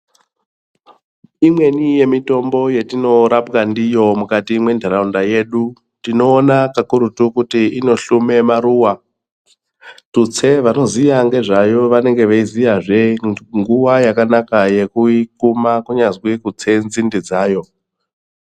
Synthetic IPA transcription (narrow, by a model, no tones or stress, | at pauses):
imwe̞nije̞mito̞mbo̞je̞tino̞ɾapkandijo̞mukatiːmwe̞ndʱaɾaundaje̞ɗu | tino̞ːnakakuɾutukutiino̞ɬume̞maɾuːwa | tut͡sʰe̞ʋano̞zijaŋɡe̞ʐajo̞ʋane̞ŋɡe̞ʋeizijaʐe̞ŋɡuʋajakanakaje̞kuikumakuɲazwikut͡se̞nzindid͡zaːjo̞